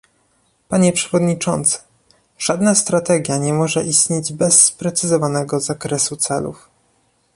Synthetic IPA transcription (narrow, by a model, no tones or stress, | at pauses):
paɲɛpʂɛvɔd̪ɲit͡ʂɔ̰nt̪sɘ̥ | ʐ̥ad̪nast̪ɾat̪ɛɡʲjaɲɛmɔʐɛʔist̪ɲed͡ʑbɛsːpɾɛt̪sɘzɔvanɛɡɔzakɾɛsut̪sɛ̰lṵf